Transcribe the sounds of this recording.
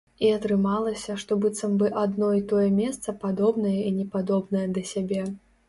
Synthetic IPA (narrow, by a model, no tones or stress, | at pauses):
iɐt̪ɾɨmalˠɐsʲɐʂt̪ɔbɨt̪sɐmbɨʔad̪nɔit̪ɔjɛmʲɛst̪sɐpad̪ɔbnɐjɐinʲɛpad̪ɔbnɐjɐd̪ɐsʲabʲɛ